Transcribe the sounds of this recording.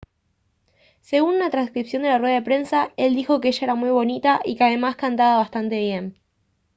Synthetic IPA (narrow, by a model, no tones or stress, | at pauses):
se̞ɣununat̪ɾanskɾipsjo̞nd̪e̞larweðaðe̞pɾe̞nsae̞ld̪ixo̞keeʃaeɾamujβo̞nit̪aʔikeaðe̞maskant̪aβaβast̪ant̪e̞β̞je̞n